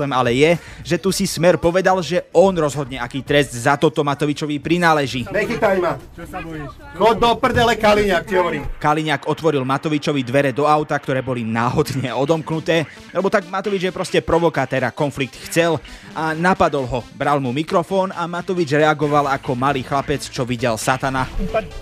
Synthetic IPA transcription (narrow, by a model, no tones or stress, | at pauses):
ɛmalɛjɛ | ʒɛt̪usismɛɾpɔʋɛd̪alʒɛɔnɾɔzɦɔd̪ɲɛakiːt̪ɾɛzd̪zat̪ɔt̪ɔmat̪ɔʋit͡ʃɔʋipɾinaːlɛʒiːnɛkit̪ajma | xɔd̪ɔpr̩d̪ɛlɛkaliɲak̚tiɦɔʋɔɾiːkaliɲakɔt̪ʋɔɾilmat̪ɔʋit͡ʃɔʋid̪ʋɛɾɛd̪ɔaʊt̪akt̪ɔɾɛːbɔlinaːɦɔd̪ɲɛɔd̪ɔmknut̪ɛː | alɛbɔt̪aɡmat̪ɔʋid͡ʒjɛpɾɔscɛpɾɔʋɔkat̪ɛːɾakɔnflik̚t̪xt͡sɛl | ʔanapad̪ɔlɦɔbɾalmumikɾɔfɔːnamat̪ɔʋid͡ʒɾɛaɡɔʋalakɔmaliːxlapɛt͡st͡ʃɔʋiɟɛlsat̪ana